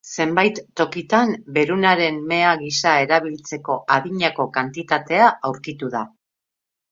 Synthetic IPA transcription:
se̞mbajt̪ːo̞kit̪ambe̞ɾunaɾe̞mme̞aɣisae̞ɾaβ̞ilt͡se̞ko̞ʔaðiɲako̞kant̪it̪at̪e̞aʔawɾkit̪uða

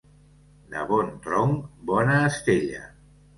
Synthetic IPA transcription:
d̪ə̰βɔnt̪ɾɔŋbɔnaːst̪eʎə̰

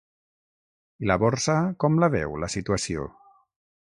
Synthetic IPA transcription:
ilaβɔɾsakɔmlaβɛ̰wlasit̪uasio̰

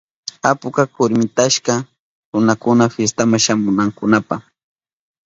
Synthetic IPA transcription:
apʊkakʊɾmɪt̪aʃka | ɾʊnakʊnafjest̪amaʃamʊnaŋkʊnapaχ

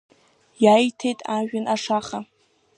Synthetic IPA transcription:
jajtʰe̞jtʼaʒᶣanʔaʂaχa

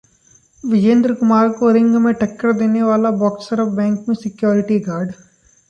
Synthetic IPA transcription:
ʋɪd͡ʒẽːnd̪ɾəkʊmaːɾkoɾɪ̃ŋɡmẽʈɐkːəɾd̪eːneʋaːlabɔːksɐɾbɛ̃ːŋkmẽsɪkjoːɾɪʈiɡaːɾɖ

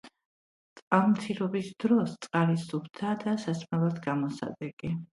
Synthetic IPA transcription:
t̪sʼqʼalˠmt̪sʰiɾɔbisd̪ɾɔst̪sʼqʼaliubt̪ʰaːd̪asasmɛlˠad̪ɡamɔsa̰d̪ɛɡ̥ʼi

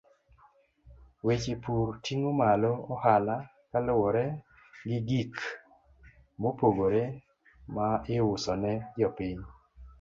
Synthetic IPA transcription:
wet͡ʃepurtiŋomalɔɔhala | kalʊwɔɾɛ | ɡɪɡik | mopoɡoɾe | maɪwʊsɔnɛd͡ʒɔpɪɲ

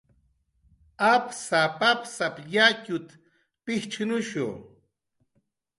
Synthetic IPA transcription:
apsapapsapjacʊt̪ | pɪht͡ʃʰnʊʃṵ

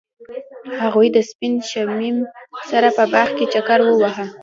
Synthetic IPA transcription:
haɣujd̪əspinʃamimsaɾapəbaxket͡ʃakaɾwəwaɦa

